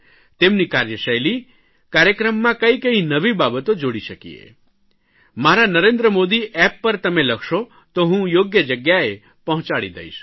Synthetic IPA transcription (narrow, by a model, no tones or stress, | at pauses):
t̪emnikaɾjəʃəjli | kaɾjəkɾəmːãkəĩkə̃ɦĩnəʋibabət̪od͡ʒoɽiʃəkḭḛ | maɾanəɾend̪ɾəmod̪iʔɛpːəɾt̪əmeləkʰʃo | t̪oɦũjoɡjəd͡ʒəɡjae | pəɦʊ̃t͡ʃaɭid̪ə̰iʃ